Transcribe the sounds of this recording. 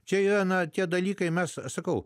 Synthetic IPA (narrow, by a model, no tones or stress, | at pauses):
t͡ʃʲɛiːɾɐnɐt̪ʲiɛd̪ɐlʲiːkɐɪmʲɛssɐkɐʊ